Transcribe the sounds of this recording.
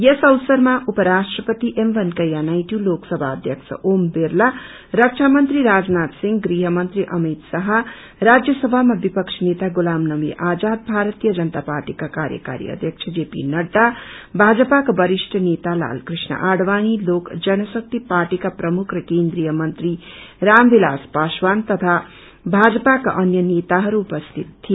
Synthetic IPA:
jesʌwsʌɾmaʔupʌɾasʈrʌpʌt̪iʔemʋʌnkʌjanajʈuloksʌbʱaːd̪ʱjʌksʰʌ̰ʔombeɾla | ɾʌk̚t͡ʃʰamʌnt̪riɾad͡znat̪siŋɡɡɾiɦʌmʌnt̪ɾiʔʌmit̪sʌɦʌ | ɾad͡zjʌsʌbʱamabipʌkt͡ʃʰnet̪aɡulamnʌwḭʔad͡zad̪̚bʱaɾʌt̪ijʌd͡zʌnt̪apaɾʈikakaɾjə̰ka̰ɾij̰ḭʌ̰d̪ʱjʌk̚t͡ʃʰʌd͡ʒepḭnʌɖːabʱad͡zʌpakobʌɾisʈʰʌnet̪ala̰lkrisnʌ̰ʔaɽwañilokd͡zʌnʌsʌk̚t̪iparʈikaprʌmukʰrʌkend̪ɾijʌmʌnt̪ri | rambilaspaswant̪ʌt̪ʰa | bʱad͡zʌpakaʔʌnjʌnet̪aɦʌɾuːpʌst̪ʰit̪ʰːi

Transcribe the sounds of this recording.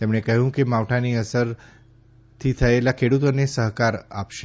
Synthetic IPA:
t̪emɽ̃ekəɦjũːkimaʋʈʰaniːəsəɾ | t̪ʰiːt̪ʰəelakʰeɽut̪ənesəɦkaɾa̰pʃe

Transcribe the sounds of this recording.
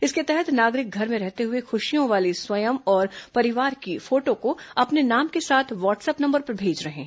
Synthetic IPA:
ɪsket̪ɛɦɛt̪naːɡɾɪk̚ɡʱɐɾmẽɾɛɦt̪eɦʊexʊʃijõʋaːliswɐjəmɔːɾpɐɾɪʋaːɾkifoːʈõkoɐpnenaːmkesaːt̪ʰʋaːʈsɛpnɐ̃mbəɾpɐɾbʱeːd͡ʒɾɐɦḛ̃ː

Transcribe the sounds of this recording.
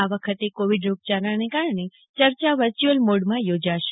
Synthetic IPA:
aʋəkʰət̪ekoʋiɖɾok̚t͡ʃaɾanekaɾɳe | t͡ʃəɾt͡ʃaʋəɾt͡ʃuəlmoɽmãjod͡ʒaʃe̥

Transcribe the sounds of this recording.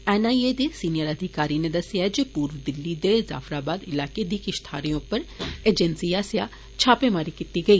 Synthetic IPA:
ɛːnaːied̪esiːnijəɾɐd̪ʱɪkaːɾined̪ɐsjaɛd͡ʒipuːɾʋd̪ɪlːid̪eza̰ːfɾaːbaːd̪ɪlaːked̪ikɪʃt̪ʰaːɾijõpəɾeːd͡ʒɛnsiaːsja | t͡ʃʰaːpemaːɾikiːt̪iɡɐiː

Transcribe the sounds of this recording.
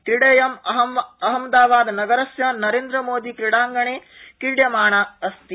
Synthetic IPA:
kɾiɽeːjɐmɐɦɐmʋɐɦɐmd̪aːʋaːd̪nɐɡɐɾɐsjɐnɐɾeːnd̪ɾɐmoːd̪ikɾiɽaːŋɡɐɳeː | kiɽjɐmaːɳaɐst̪i

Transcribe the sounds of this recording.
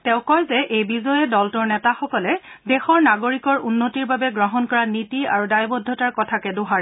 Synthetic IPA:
tɛ̃ʊ̃kɔjzɛʔejbizɔjɛdɔltʊɹnɛtaxɔkɔlɛdɛxɔɹnaɡoɹikɔɹunːotiɹbabɛɡɹɔɦɔnkɔɹanitia̰ɹudajbɔdʱːɔtaɹkɔtʰakɛdʊɦaɹɛ

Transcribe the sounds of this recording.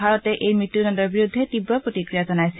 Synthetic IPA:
aɹɔtɛʔejmɹitːunɔndɔɹbiɹud̪ʱːɛtibɹɔpɹotikɹijazɔnajs

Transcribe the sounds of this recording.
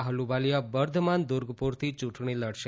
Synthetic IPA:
ɦəlubalijabəɾd̪ʱmand̪ʊɾɡpuɾt̪ʰit͡ʃũʈʰɳiləɽʃe

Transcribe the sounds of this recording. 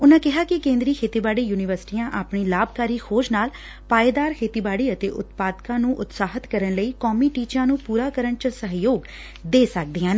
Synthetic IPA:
ʊnãːkɪɦaːkɪkẽːnd̪ɾiːkʰeːt̪iːbaːɽiːjuːnɪʋəɾsɪ̥ʈiːjãːʔaːpɳiːlaːb̚kaːɾiːkʰoːd͡ʒnaːl | paːeːd̪aːɾkʰeːt̪iːbaːɽiːət̪eːʔʊ̰t̪paːd̪kãːnũːʔʊt̪saːɦət̪kəɾəɳləiːkɔːmiːʈiːt͡ʃãːnũːpuːɾaːkəɾəɳt͡ʃəɾsəɦjoːɡ | d̪eːsək̚d̪iːãːneː

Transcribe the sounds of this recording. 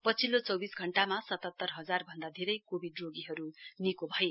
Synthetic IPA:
pʌt͡sʰilːot͡sʌwbisɡʱʌɳʈamasʌt̪ʌt̪ːʌrɦʌd͡zarbʱʌnd̪ad̪ʱeɾʌjkobʱiɖroɡiɦʌɾunikobʱʌje

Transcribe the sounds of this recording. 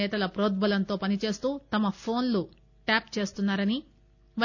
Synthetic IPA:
ɛːt̪ɐlɐpɾoːd̪̚bɐlɐnt̪o̞ːpɐnit͡ʃe̞ːst̪uːt̪ɐmɐpʰo̞ːnlu | ʈaːpt͡ʃe̞ːst̪unːaːɾɐni | ʋɐ

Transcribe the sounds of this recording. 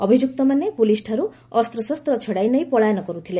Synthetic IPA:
ɔbʱid͡ʒuk̚t̪ɔmanepulisʈʰaɾu | ɔst̪ɾɔsɔst̪ɾɔt͡ʃʰɔɽajnejpɔɭajɔnɔkɔɾut̪ʰile

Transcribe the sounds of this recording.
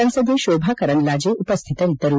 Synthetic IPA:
ə̃nsəd̪ʱeɕobʱakəɾəɳlad͡ʑeʔupəst̪ʰit̪ənit̪əɾu

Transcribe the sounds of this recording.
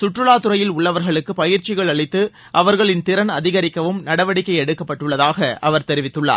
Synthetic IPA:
sʊʈrɯɭaːt̪ɯɾɐjɪlʊɭːɐʋɐɾɣɐɭɯkːɯpɐjɪɾt͡ʃɪɣɐɭɐɭɪt̪ːɯ | ʔɐʋɐɾɣɐɭɪnt̪ɪɾɐnɐðɪɣɐɾɪkːɐʋɯmnɐɽɐʋɐɽɪkːɐɪjɛɽɯkːɐpːɐʈːɯɭːɐðaːɣɐʔɐʋɐɾt̪ɛɾɪʋɪt̪ːɯɭːa̰ː

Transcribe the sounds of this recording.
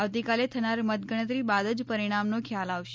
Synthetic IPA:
aʋt̪ikalet̪ʰənaɾmət̪ɡəɳ̃ət̪ɾibad̪əd͡ʒpəɾiɽ̃amnokʰjalaʋʃe̥

